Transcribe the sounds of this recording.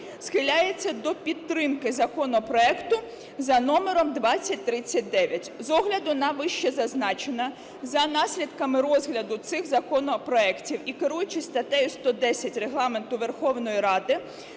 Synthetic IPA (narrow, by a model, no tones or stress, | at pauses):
sxɪlʲajet͡sʲːɐd̪ɔpʲid̪ɾɪmkɪzɐkɔnɔpɾɔɛkt̪ʊ | zɐnɔmeɾɔmd̪ʋɑt͡sʲːɐt̚ʲt̪ɾɪt͡sʲːɐt̚ʲd̪ɛʋʲjɐtʲzɔɦlʲɐd̪ʊnɐʋɪʃt͡ʃɛzɐznɑt͡ʃenɐ | zɐnɑsʲlʲid̪kɐmɪɾɔzɦlʲɐd̪ʊt̪sɪxzɐkɔnɔpɾɔɛktʲiwikeɾujʊt͡ʃɪsʲt̪ɐt̪ɛjʊst̪ɔd̪ɛsʲɐtʲreɦlˠɑme̞nt̪ʊʋe̞rxɔwnɔjiɾɑd̪ɪ